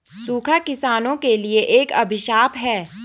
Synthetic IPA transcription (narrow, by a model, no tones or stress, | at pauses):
suːkʰakɪsaːnõkelieʔeːkɐ̰bʱɪʃaːpɦɛː